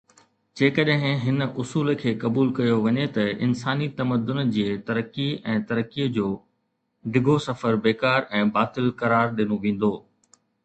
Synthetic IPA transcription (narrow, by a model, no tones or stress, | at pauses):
d͡ʑeːkɐɗɦɪ̃ɦɪnʔʊsuːlkʰeːkɐbuːlkɐjoʋɐɲet̪ɐʔɪ̰nsaːnit̪ɐməd̪ʊnd͡ʑiːet̪ɐɾəkːiɛ̃ːt̪ɐɾəkːid͡ʑoː | ɖɪɡʱosɐfəɾbeːkaːɾɛ̃ːbaːt̪ɪlkɐɾaːɾɗɪnoʋẽːn̆d̪oː